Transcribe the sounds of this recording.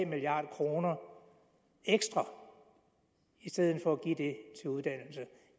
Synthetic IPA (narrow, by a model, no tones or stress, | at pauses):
miliɑ̈ːd̥ˠkʰʁo̝ːnɐ | eɡ̥sd̥ʁɑ | isd̥eð̞̰ˠn̩ˠfɒ̽æɡ̥ḭd̥e̝t͡sʰe̝uð̞ˠd̥æn̰l̩sə